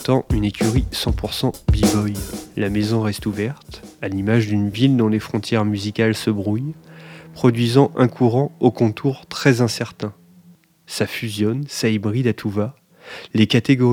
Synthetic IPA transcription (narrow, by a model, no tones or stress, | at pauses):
t̪ɑ̃ynekʲyʁisɑ̃puʁsɑ̃bivɔjlamezɔ̃ʁɛst̪uvɛʁt̪alimaʒd̪ynvild̪ɔ̃lefχɔ̃t̪jɛʁmyzikalsəbʁujpχɔd̪ɥizɑ̃ʔɛ̃kʰuʁɑ̃okɔ̃t̪ʰuʁt̪χɛzɛ̃sɛʁt̪ɛ̃ | safyzjɔnsaibʁid̪at̪ʰuva | lekat̪eɡɔ